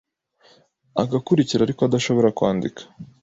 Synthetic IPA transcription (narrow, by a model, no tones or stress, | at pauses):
aɡakuɾiciɾaɾikoad̪aʃo̞βo̞ɾakwaːndikʰḁ